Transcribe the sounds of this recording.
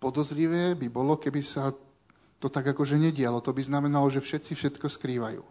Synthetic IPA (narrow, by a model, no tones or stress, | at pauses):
pɔd̪ɔzɾiʋɛːbibɔlɔkɛbisa | t̪ɔt̪aɡakɔʒɛɲɛɟɪalɔt̪ɔbiznamɛnalɔʒɛfʃɛt̪t͡sifʃɛt̪kɔskɾiːʋajṵː